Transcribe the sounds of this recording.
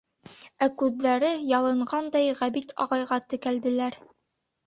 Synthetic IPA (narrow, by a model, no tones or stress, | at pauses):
ækʉðːæɾɘjɑlˠɤ̆ɴɢɑnd̪ɑjʁæβit̪ʰɑ̰ʁɑjʁɑt̪ɘ̆kæld̪ɘ̆læɾ